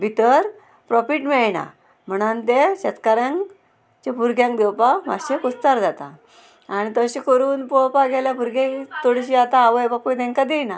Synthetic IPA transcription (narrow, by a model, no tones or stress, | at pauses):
bʱit̪əɾ | pɾɔfiʈmɛɭna̰ | m̤əɽ̃ant̪eɕɛt̪kaɾjãŋ | t͡ɕepuɾɡjãŋk̚d̪ewpama̰ɕekust̪aɾd͡zat̪a̰ | aɽ̃it̪əɕekəɾuːnpopaɡʱɛljapuɾɡẽt̪oɽɕiat̪aaʋəjpapujt̪ẽŋkad̪ejna